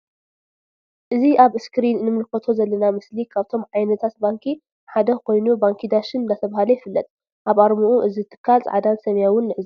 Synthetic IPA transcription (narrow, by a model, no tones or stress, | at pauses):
ʔɨziʔaβɨskɾinːɨmɨlkɐt̪ʰo̞zɐlːɐnamɨslikʰaβt̪ʰo̞mʕajnɐt̪ʰat̪̚baŋkʰi | ħad̪ɐkʰo̞jnubaŋkʰid̪aʃɨnnd̪at̪ʰɐβahalɐjɪfɨlːɐt̪ʼ | ʔaβaɾmuʔuʔɨzit̪ʰːɨ̥kʰːalt͡sʼʕad̪ansɐmjawʊnːɨʕɨzi